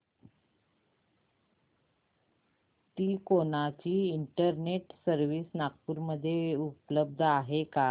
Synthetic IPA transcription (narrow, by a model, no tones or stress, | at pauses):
t̪iːkonat͡ɕiːiɳʈəɾneʈsəɾʋiːsnak̚puːɾməd̪ʱːjeupləb̚d̪ʱəaɦeka